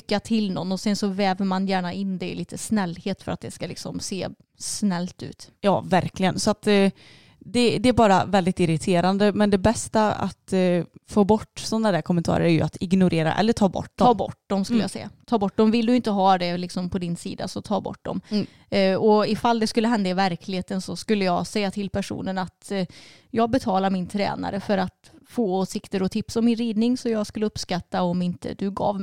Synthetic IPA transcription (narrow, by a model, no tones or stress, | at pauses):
kːat̪ʰɪlnɔnːɔsɛnsɔvɛːvəɾmanjæːɳaʔɪnːd̪ɛliːt̪ʰəsnɛlːheːt̪fœɾa̰t̪̚d̪ɛskalɪ̰ksɔ̰mseː | snɛlːt̪ʉ̟̰ːt̪jɑ̰ːvæɾklɪɡənsɔat̪ | d̪ɛd̪ɛæɾbɑːɾavɛld̪ɪt̪ɪɾɪt̪ʰeːɾand̪əmɛnd̪ɛbɛst̪aa̰t̪foːbɔʈːsɔnːad̪æːɾkʰɔmːɛnt̪ʰɑ̰ːɾə̰ɾæjɵ̰at̪ɪɡnʊɾʔeːɾa̰ʔɛ̰lːəʈʰɑːbɔ̰ʈːd̪ɔɑːbɔ̰ʈːd̪ɔmskɵləjasɛ̰jːa̰t̪ʰɑːbɔʈ̚ːd̪ɔmvɪlːd̪ɵɪnt̪əɦɑːd̪ɛlɪksɔmpʰɔd̪ɪnsḭːd̪a̰sɔt̪ʰɑːbɔ̰ʈ̚ːd̪ɔ̰m | ɔɪfald̪ɛskɵlːəɦɛnd̪aɪvæɾkʰlɪheːt̪ənsɔskɵlːəjɑːɡsɛjːat̪ʰɪlpʰæʂṵːnənat̪ | jɑːɡbɛt̪ʰɑːlamɪnt̪ʰɾɛ̰ːna̰ɾəfœɾat̪foːoːsɪkt̪əɾɔt̪ʰɪpsɔmːɪnɾiːd̪nɪŋsɔjɑːɡskɵlːəɵpskat̪ːaɔmɪnt̪ə̰d̪ɵɡɑ̰ːv